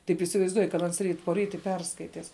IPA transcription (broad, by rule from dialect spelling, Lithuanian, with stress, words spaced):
tɐɪp iːsʲɪʋɐɪzˈduɔj kɐt ˈɐns ˈrʲiːt poːˈrʲiːt ɪ ˈpʲɛrskɐɪtʲɪs